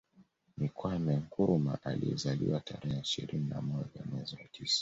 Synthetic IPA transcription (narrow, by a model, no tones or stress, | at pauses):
mikwamɛŋkuɾuma̰ʔaliɛzaliwatʰaɾɛhɛiʃḭɾininamɔʄamwɛziwatʰisḁ